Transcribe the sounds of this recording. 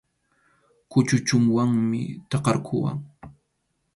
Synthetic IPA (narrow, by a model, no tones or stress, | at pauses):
kʊt͡ʃʊt͡ʃʊŋwaŋmɪ̰t̪ɑqɑɾkʰʊwa̰ŋ